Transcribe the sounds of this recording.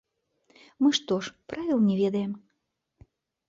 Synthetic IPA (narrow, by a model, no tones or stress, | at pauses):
mɨʃt̪oʃprɑvʲilˠnʲeβʲed̪em